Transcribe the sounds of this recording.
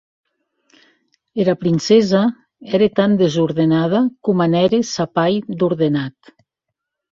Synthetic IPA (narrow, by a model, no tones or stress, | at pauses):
eɾapɾinsɛza | ɛɾet̪and̪ezuɾðenað̞akumanɛɾesapajd̪uɾðenat̪